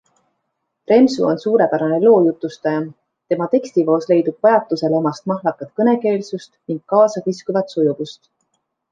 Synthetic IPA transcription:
pɾe̞msṵo̞nsuːɾe̞pæɾɑne̞lo̞ːjut̪ːˑust̪ɑjɑ | t̪e̞mɑt̪e̞kst̪ivo̞ːsle̞jd̪ub̥̚vɑjɑt̪ːˑuse̞lemɑst̪mɑɦlɑkːˑɑt̪̚kɤne̞ke̞ːlsust̪niŋɡ̥̚kːɑːsɑkiskuvɑt̪sojuvust̪

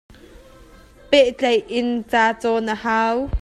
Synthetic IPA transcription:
pɛʔt͡ɬɐjʔɪnt͡saːt͡sɔnəhaːw

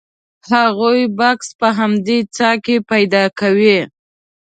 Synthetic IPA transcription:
haɣujbɑkspəɦamd̪et͡sɑkepajd̪ɑkawi

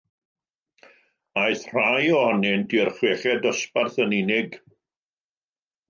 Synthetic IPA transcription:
ajθr̥ajɔhɔnɪndirχweːχɛdɔsparθəninɪɡ

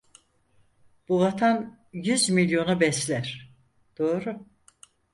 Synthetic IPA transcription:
b̥uvat̪ʰan | jyzmilʲjo̞nubɛslʲæɾ̥ | d̪̥oːɾu

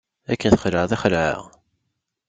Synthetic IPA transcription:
ækːənθə̥χləʕðæχləʕə̰ʁ

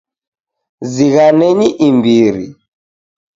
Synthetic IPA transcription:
ziɣanɛɲiʔimbiɾḭ

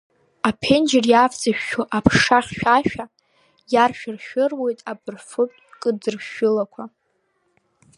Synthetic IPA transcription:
apʰe̞nd͡ʒɪrjaft͡sʼaʃᶣːoʔapʰʂaχʲʃᶣaʃᶣa | jarʃᶣɪrʃᶣɪrwe̞jtʼabɨrfɨpʼkʼɨd͡zɨrʃʊlakʷʰa

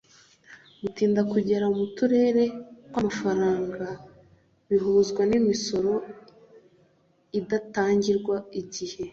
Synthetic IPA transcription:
mutiːndakuɟe̞ɾaumutuɾe̞ːɾe̞wamafaɾaːŋɡa | βiɦuːzɡwanimiso̞ɾo̞ | idataːɲɟiɾɡwaiɟihe̞

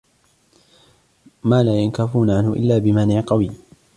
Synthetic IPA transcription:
maːlaːjankafuːnaʕanhʊʔɪ̰lːaːbɪmanɪʕqɑwiː

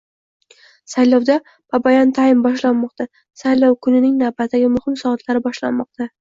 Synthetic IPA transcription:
sajlɒwd̪a | b̥abajant̪ʰaɪmbɒʃlanmɒq̚t̪a | sajlɒwkʰʊnɪnɪŋnavbat̪ʰːaɡʲɪmʊhɪmsɒːt̪ʰlaɾɪbɒʃla̰nmɒq̚t̪a

